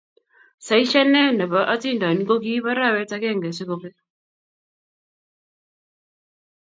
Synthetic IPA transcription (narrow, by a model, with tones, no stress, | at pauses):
sa˨i˦ʃa˦nɛ˦˨nda˨βa˨ʔa˦t͡si˦nda˨ni˦ko˦ki˦βa˦ɾa˦˨wɛ˦t͡sa˦kɛ˦˨ŋɡɛ˨sɛ˦kɔ˨pɛ˦